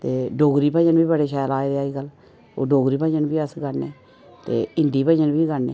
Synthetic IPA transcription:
t̪eːɖoːɡɾiːpə̃d͡ʒənbiːbəɽeːʃɛːlaːeːd̪eaːiːɡəl | o̰ːɖoːɡɾiːpə̃d͡ʒənbiːəsɡəneː | t̪ḛːɪnd̪iːpə̃d͡ʒənbʱiːɡəneː

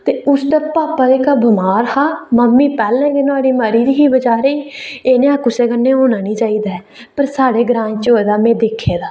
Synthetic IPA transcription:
t̪eːʊsd̪aːpaːpaːd̪eːkaːbəmaːɾhaːməmːiːpɛːlnɛ̃ːkenoaːɽiːməɾiːd̪iːɦiːbəd͡ʒaːɾeːiːeːnẽːaːkʊseːkənːẽːɦoːnaːniːt͡ʃaːiːd̪aːɛː | pəɾsaːɽeːɡɾãːɲt͡ʃoːeːd̪aːmẽːd̪eːkʰːeːd̪aː

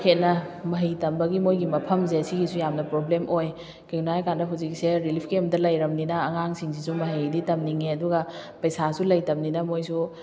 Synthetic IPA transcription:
kʰet̚nɐmɐɦijtɐmbɐɡimojɡimɐpʰɐmzeɐsiɡisujamnɐpɾoblemʔoj | keŋnajkandɐɦawzik̚seɾilipʰkemdɐlɐjɾɐmninɐːŋaŋsiŋsisumɐɦijditɐmniŋeɐduɡɐpɐjsasulɐjtɐmninɐmojsu

